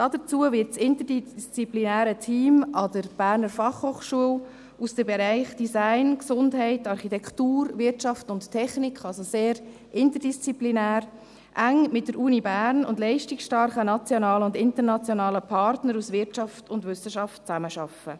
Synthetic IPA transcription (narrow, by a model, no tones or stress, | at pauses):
d̥ɑːdət͡suːəvɪtsɪntədist͡siplinæːɾətʰiːmɑdəɾb̥æːɾnəɾfɑχhoːχʃuəl | usd̥əbɛɾɛɪχd̥isæɪnksʊndɦɛɪtɑɾχitɛktuːɾvɪɾtʃɑftʊnttʰːɛχnikχɑlsoseːɾ | ʔɪntəd̥ist͡siplinæːɾ | ʔæŋmɪt̚d̥əɾʔuːnibæːɾnʊ̰ndlɛɪʃtɪksʃtɑɾχənɑt͡sjɔnɑːləʊndɪntəɾnɑt͡sjonɑːləpʰɑɾtnəɾusvɪɾʃɑftʊndvʏsəʃɑft̚t͡sæməʃɑfə